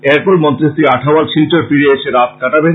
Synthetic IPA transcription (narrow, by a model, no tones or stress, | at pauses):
ɛɾpolmɔnt̪ɾist̪iaʈʰawalʃʰilt͡ɕoɾfiɾeeʃeɾat̪̚kʰaʈabe